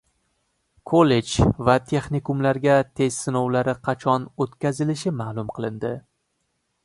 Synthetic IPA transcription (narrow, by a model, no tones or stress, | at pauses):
kʰoled͡ʒvat̪ʰe̞χnikumlaɾɡʲat̪ʰe̞zsɪnɒwlaɾɪqʰɑt͡ʃʰɒnot̪kʲazɪlɪʃɪmaːlˠʊmqʰɨlˠɪnd̪ɪ